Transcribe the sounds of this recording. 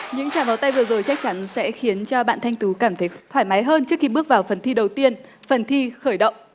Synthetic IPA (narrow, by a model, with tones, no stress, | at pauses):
ɲɨ̰˧˥ŋt͡ɕaː˧˩nvaː˨˩wt̪a˧jvɨ˨˩əzoː˨˩jt͡ɕa˦˥k̚t͡ɕa˨˦nsɛ̰˧˥xi˨˦ənt͡ɕɔ˧ɓa̰ː˧˨nt̪ʰa˧jŋ̟t̪u˨˦kaː˧˩mt̪ʰə˨˦jt̪ʰwaː˧˩jma˨˦jɦəː˧nt͡ɕɨ˦˥ək̚xi˧ɓɨ˦˥ək̚vaː˨˩wfə˨˩nt̪ʰi˧ɗə˨˩wt̪i˧ən | fə˨˩nt̪ʰi˧xəː˧˩jɗə̰˧˨wŋ͡m